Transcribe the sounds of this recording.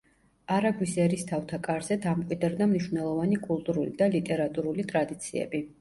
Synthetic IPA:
aɾaɡwisɛɾist̪ʰaft̪ʰakʼaɾzɛd̪amkʼwid̪ɾd̪amniʃvnɛlˠɔvanikʼulˠt̪ʼuɾulḭd̪alit̪ʼɛɾat̪ʼuɾulit̪ʼɾad̪it̪sʰiɛ̰bi

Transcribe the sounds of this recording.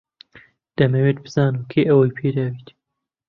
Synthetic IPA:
d̪̥ɐmɐweːt̪̚bɨz̥ɑːnuːkʰeːʔɐwɐjpʰeːd̪aːwit̪

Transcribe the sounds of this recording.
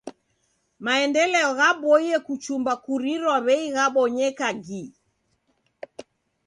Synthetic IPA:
maɛndɛlɛɔɣaɓɔiɛkut͡ʃumbakuɾiɾwaβɛiɣaɓɔɲɛkaɡi

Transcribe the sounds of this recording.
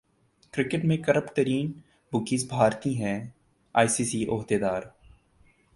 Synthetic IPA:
kɾɪkɪʈmẽkəɾəpt̪əɾiːn | bʊkiːsbʱaːɾt̪ĩɦɛ̃ː | a̰ːisiːsiːʔoːd̪eːd̪aːɾ

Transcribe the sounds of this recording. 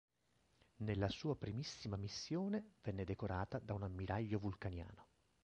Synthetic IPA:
nelːasuːapɾimisːimamisːjoːnevɛnːed̪ekoɾaːt̪ad̪aunamːiɾaʎːovulkanja̰ːno

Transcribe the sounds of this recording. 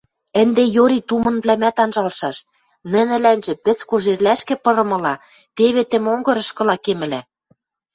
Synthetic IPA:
ə̆nd̪ejoɾit̪umɤ̆nβlæmæt̪ɑnʒɑlʃɑʃ | nɘ̆nɘ̆lænʒɘ̆pɘ̆t͡skoʒerlæʃkĕpɤ̆ɾɤ̆mɤ̆lɑ | t̪eβĕt̪ĕmoŋɡɤ̆ɾɤ̆ʃkɤ̆lɑkemɘ̆læ

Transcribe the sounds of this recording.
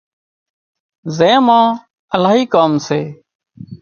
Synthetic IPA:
zẽːmãː | əlaːɦiːkaːmseː

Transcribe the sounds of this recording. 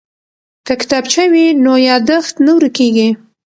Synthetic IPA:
kakɪ̥t̪ɑbt͡ʃawinojɑd̪əxt̪nəwɾəkeɡi

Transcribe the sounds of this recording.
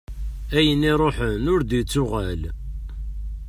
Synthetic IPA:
æjənːiɾˤoħənʊɾd̪it͡sːʊʁæl

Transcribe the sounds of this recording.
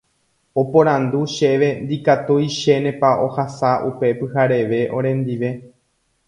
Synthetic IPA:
o̞põɾ̃ãnd̪uʃe̞ʋe̞nd̪ikat̪ujʃe̞nẽ̞paohasaʔṵpe̞pɨhaɾe̞ʋe̞ʔo̞̰ɾ̃ẽ̞nd̪iʋe̞

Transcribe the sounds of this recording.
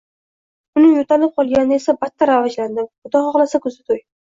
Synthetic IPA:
ʊnɪjot̪ʰalɪp̚qʰɒlˠɡʲanɪne̞sabat̪ːaɾavad͡ʒland̪ɪmʊd̪ɒχɒʁlasakʰɵzɪt̪ʰoj

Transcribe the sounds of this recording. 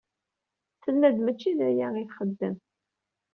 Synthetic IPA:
θənːæd̪mæt͡ʃːiðæjæiθχəd̪ːəm

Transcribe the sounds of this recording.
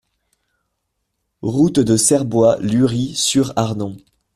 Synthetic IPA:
ʁut̪d̪əsɛʁbwalyʁisyʁaʁnɔ̃

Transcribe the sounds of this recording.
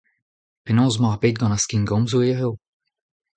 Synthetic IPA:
penɔ̃ːz̬maʁbed̪̚ɡɑ̃naskinɡɔ̃mzoeʁeo

